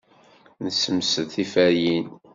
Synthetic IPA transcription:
nəsəmsəðθifæjin

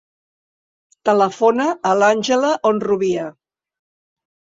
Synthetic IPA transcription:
t̪ələfonəːlanʲʒələʔonruβiə

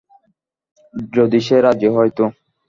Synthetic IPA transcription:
ɾod̪iʃeɾad͡ʑeɦɔjt̪o

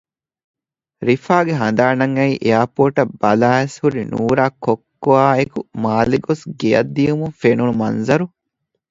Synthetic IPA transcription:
ɾifaːɡeɦɐnd̪aːnɐŋɐiʔeaːpoːʈɐbːɐlaːeshuɾinṵːɾaːkːokːoaːekumaːliɡosɡejɐ̰d̪ːiumuŋfenunumɐ̰nzɐɾu

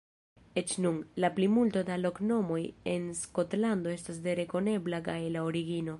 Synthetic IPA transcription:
e̞t͡ʃnunlaplimultodalo̞kno̞mo̞je̞nsko̞tlando̞e̞stas̬de̞ɾe̞ko̞ne̞blakajlaoɾiɡino̞

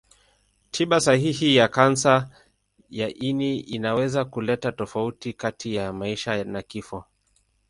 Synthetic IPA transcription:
tʰiɓasahihijakansa | jaʔiniinawɛzakulɛtatɔfautikatijamaiʃanakifɔ

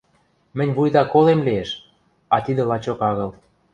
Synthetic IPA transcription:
mɘ̆nʲβujd̪ɑkolemlieʃ | ɑt̪id̪ə̆lɑt͡ɕokɑɣɤ̆l

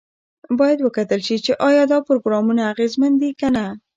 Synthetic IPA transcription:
bɑjad̪wəkat̪əlʃit͡ʃeʔɑjɑd̪ɑpʊɾoɡɾɑmunaːɣezmand̪ikana

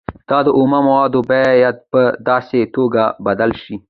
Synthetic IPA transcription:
t̪ɑd̪əʔomamawɑd̪obajat̪̚pəd̪ɑset̪oɡabad̪alʃi

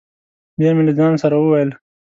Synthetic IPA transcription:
bjamiləzɑːnsaɾawuwajəl

